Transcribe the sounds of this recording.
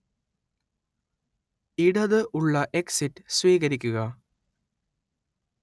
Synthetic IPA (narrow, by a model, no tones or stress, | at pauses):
iɽɐðɨʔuɭːɐʔeksiʈːsʋiːɣɐɾikʲːuɣɐ